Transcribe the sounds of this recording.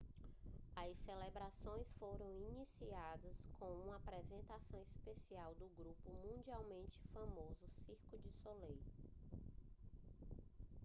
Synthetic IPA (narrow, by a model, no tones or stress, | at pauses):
ɐselebɾasõj̃sfoɾɐ̃w̃inisiad̪ɐskʰõũmɐapɾɛzẽnt̪asɐ̃w̃ispesiawd̪ʊɡɾupʊmũd͡ʒiawmẽnt͡ʃɪ̥famozʊsiɾkʊd͡ʒɪsolej